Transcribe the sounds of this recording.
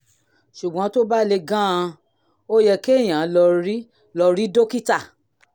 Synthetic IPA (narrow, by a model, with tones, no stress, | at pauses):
ʃu˨ɡ͡bɔ̃˨˧˦to˦ba˦le˧ɡã˦ã˧ | o˦jɛ˧ke˦e˦˨j̃ã˨˦lɔ˧ɾi˦ | lɔ˧ɾi˦do˦ki˦ta˦˨